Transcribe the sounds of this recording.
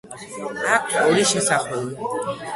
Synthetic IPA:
akʰoɾiʃɛsaχɔlu

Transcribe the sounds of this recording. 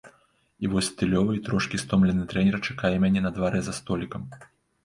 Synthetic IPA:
ivɔsʲt̪ɨlʲɔvɨit̪ɾɔʂkʲist̪ɔmlʲɛnɨt̪ɾɛnʲɛrt͡ʂḁkajɛmʲanʲɛnɐd̪vaɾɛzɐst̪ɔlʲikɐm

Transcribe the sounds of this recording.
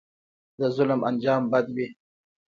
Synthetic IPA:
d̪əzʊlmand͡ʒɑːmbad̪wi

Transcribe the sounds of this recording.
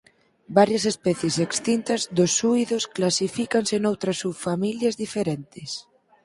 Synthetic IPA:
baɾjɐsespɛθjesekst̪int̪ɐzðʊsuiðosklasifikansenowt̪ɾɐsufamiljɐzðifeɾɛnt̪ɪs

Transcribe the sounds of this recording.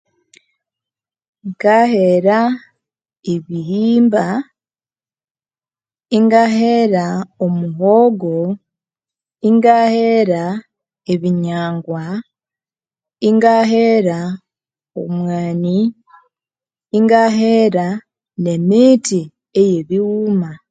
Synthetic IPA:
ŋɡaheɾa | eβihiːmba | iŋɡaɦeɾaomuɦoɡo | iŋɡaheɾa | eβiɲaːŋɡwa | iŋɡaɦeɾa | o̰mwaːni | ŋɡaɦeɾa | ne̞miːti | eje̞βiwuːma

